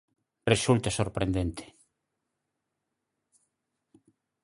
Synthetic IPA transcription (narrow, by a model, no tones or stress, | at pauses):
result̪asoɾpɾend̪ent̪e̥